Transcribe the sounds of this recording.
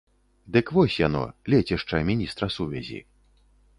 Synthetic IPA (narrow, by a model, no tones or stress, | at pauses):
d̪ɨkvɔsʲjanɔ̰lʲɛt͡sʲɛʂt͡ʂɐmʲinʲist̪ɾɐsuvʲa̰zʲḭ